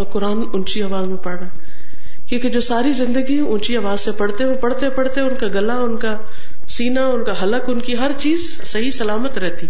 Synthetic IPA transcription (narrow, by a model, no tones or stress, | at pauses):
kʊɾaːnʊnt͡ʃiaːʋaːzmẽpɐɽnaː | kjõːked͡ʒoːsaːɾizɪ̃nd̪əɡiʊnt͡ʃiaːʋaːzsẽpɐɽ̤t̪eopɐɽt̪epɐɽt̪eʊnkaɡɐlaʊnka | siːnaʊnkaɦɐləkʊnkiɦɐɾt͡ʃiːz | sɐɦisɐlaːmət̪ɾɛɦt̪i